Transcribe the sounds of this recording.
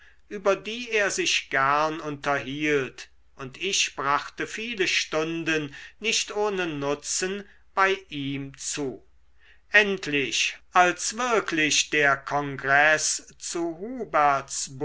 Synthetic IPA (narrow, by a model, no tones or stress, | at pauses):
ʔyːbɐdiːeːɐzɪʃɡ̥æɐnʊntɐɦiːlt | ʔʊntʰɪʃb̥ʁaχtəfiːləʃtʊndənːɪʃtʔoːnənʊt͡sən | b̥aɪʔiːmt͡suː | ʔɛntʰlɪʃʔalsv̥ɪɐkʰlɪʃd̥eːɐkʰɔŋɡʁɛst͡suɦuːbɛɐtsb